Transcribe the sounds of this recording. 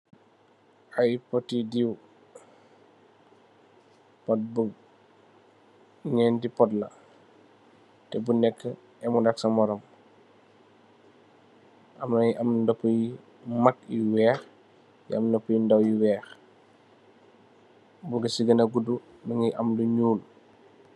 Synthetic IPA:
ɐjpɔtːidiw | pɔt̚bu | ɲɛːndipɔtlɐ | tɛbunɛkːə | ɛmundaksɐmɔɾɔm | ʔɐmɐjiʔɐmundɐpːuji | makjiwɛːx | jḭɐ̰mndɐpːujindɐwjiwɛːx | buɡɐsiɡɐnɐɡudu | nɐŋiʔɐmduɲuːl

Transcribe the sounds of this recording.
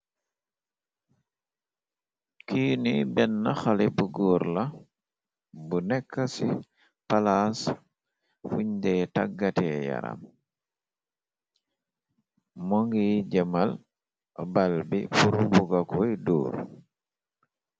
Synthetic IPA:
kiːnibɛnːaxalibuɡɔːɾla | bunɛkːasi | palas | fuɲdɛtaɡːatɛja̰ɾa̰m | mɔŋɡiɟɐmal | balbifuɾubuɡakɔjdṵːɾ

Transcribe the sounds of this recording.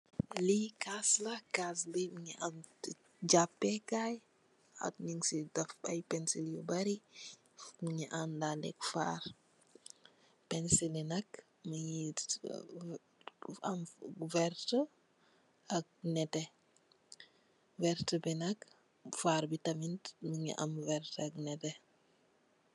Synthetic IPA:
likaslɐkasbimiɲiʔan | ɟapːɛkaj | a̰tniŋsidɐfɐ̰jpɛnsiljobaɾi | miɲiʔandalɛ̰kfa̰ːr | pɛnsilinɐk | məɲit | amvɛɾtə | ɐk̚nɛtɛ | vɛɾtəbɛnɐk | faːɾbitɐmintməɲḭʔɐ̰mvɛɾtɐknɛtɛ

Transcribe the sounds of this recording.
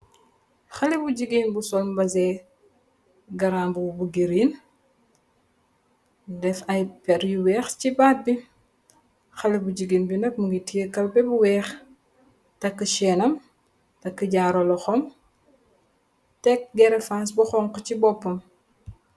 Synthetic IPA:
xɐlibuɟiɡinbusɔlmbɐzɛː | ɡɐɾaːmbubuɡiɾiːn | dɛfɐjpɛɾjuwɛːxt͡ʃibaːt̚bi | xɐlebuɟiɡinbinɐk̚muŋɡitijəkɐlbɛbuwɛːx | tɐkːəʃɛːnɐm | tɐkːəɟaːɾɔlɔxɔm | tɛk̚ɡɛɾɛfas̬buxɔŋkɔcibɔpːɐm

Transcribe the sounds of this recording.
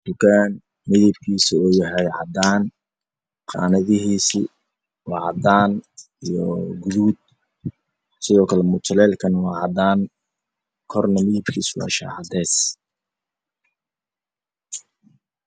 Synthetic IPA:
d̪̥ʊkʰaːn | mɪðɪb̚kʰiːsiɔːjɐɦɛjʕɑ̰d̪aːn | qɑ̰ːnɐðɪɦiːsi | wɑːʕɑd̪aːn | ijɔ̰ɡʊðuːd̪̚ | sɪðɔːkʰɐlɛmʊt͡ʃʰɐlɛːlkʰɐnwɑːʕɑd̪aːn | kʰɔrnɐmɪðɪb̚kʰḭːswɑ̰ːʃa̰ːʕɑd̪ɛːs

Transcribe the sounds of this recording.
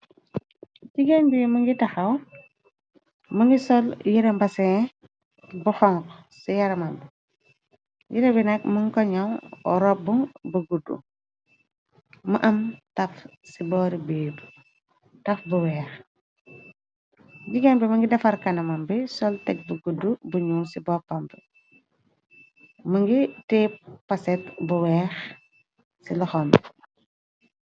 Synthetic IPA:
ɟiɡanbimuŋɡitɐxɐw | muŋɡisɔljiɾɐmbɐsɛ | buxɔŋk | sijɐɾɐmɐmbi | jiɾɐbinɐk̚muŋkɔɲawɔ̰ɾɔbuŋbɐɡudṵ | məʔɐmtɐfsibɔːɾibeːb | tɐfbuwɛːx | ɟiɡɐnbɛmɐŋɡidɐfɐɾkɐnɐmɐmbɛsɔltɛk̚buɡudːubuɲuŋsibɔːpɐmpɛ | mɐŋɡitɛːppːɐsɛt̚buwɛːx | silɔxɔm

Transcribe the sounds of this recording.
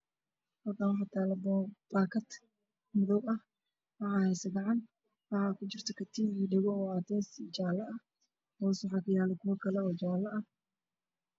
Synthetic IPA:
hɐk̪anwħɑt̪ʰalɐbb̥aːkʰɐt̪ | mʊðɔwɐh | wɑħɑːhɛjsɐɡɑʕɑn | wɑħɑkʰʊt͡ʃɪrt̪ʰɐkʰɐt̪ʰiːiːɖɛɣɔɔːaːt̪ʰɛːsit͡ʃaːlɐɐh | hɔːswħɑkʰɐjaːlɛkʰʊwɐkʰɐlɛɔːd͡ʒɔwlɐɐ

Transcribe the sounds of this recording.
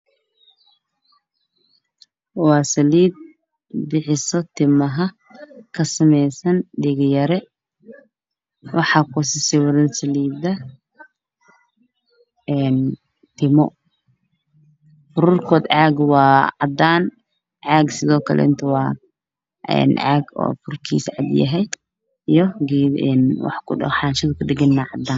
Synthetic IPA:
wɑːsɐliːd̪̚ | bɪħɪsɔt̪ʰɪmɐɦɐ | kʰɐsɐmɛjsɐnɖɪɣjɐɾɛ | wɑħɑːkʰʊsɪsɪwɐðɪnsɐliːd̪ɐ | ɛːn | t̪ʰɪmɔ | fʊɾurkʰɔːd̪ʕaːɡwɑːʕɑd̪aːn | ʕaːɡsɪðɔːkʰɐlɛ̰ɪnt̪ʰɐwɑː | ɛ̰ːnʕaːɡɔ̰ːfʊrkʰḭsʕɑ̰d̪jɐ̰ɦɛj | ʔijɔɡɛːɛ̰nwɑ̰ħkʊɗɐ̰ħɑnʃɐðkʰʊdɪɡɪnːaːʕɑd̪aːn

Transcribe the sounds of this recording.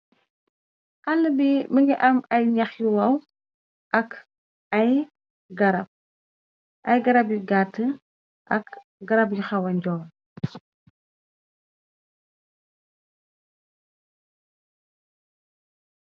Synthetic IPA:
ʔɐlːəbibəŋɡiʔɐmɐjɲɐxjuwɐw | ʔɐk | ɐj | ɡɐɾɐb̚ | ʔɐjɡɐɾɐb̚jiɡatːə | ʔɐk | ɡɐɾɐbjixɐwɐɲɟɔːl

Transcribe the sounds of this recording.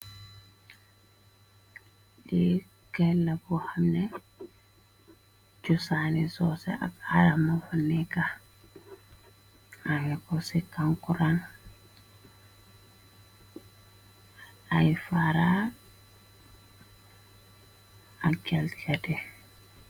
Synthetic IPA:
ɗɛ | kalːabɔhamnɛ | d͡ʒusanisɔsɛ̰ʔa̰kaɾamafanːika | amɛkɔsikaŋkuɾan | ajfaɾa | akɛlt͡ʃadɛ

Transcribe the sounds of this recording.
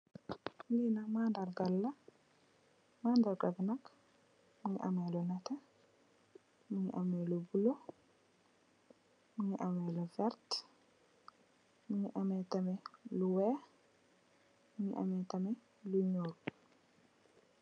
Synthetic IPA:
linamandaɾɡalːa | mandaɾɡabnak | miʔa̰mɛlɔnata | miɲʔamɛlubulɔ | miɲʔamɛlɔvɛɾt | miɲʔamɛtamɛluwɛ | miɲʔa̰mɛtamɛ | luɲoːɾ

